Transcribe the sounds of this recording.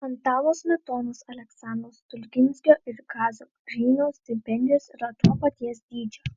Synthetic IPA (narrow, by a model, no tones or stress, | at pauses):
ɐnt̪ɑːlˠoːsmʲɛt̪oːnʊsɐlʲɛksɑˑnd̪ɾoːst̪ʊlʲɡʲɪnʲsʲkʲoːʔɪɾkɑːzʲoːɡɾʲiːnoːsʲt̪ʲɪpʲɛnʲd̪ʲɪjoːsɪɾɐt̪oːpɐt̪ʲiɛsd̪ʲiːd͡ʒʲo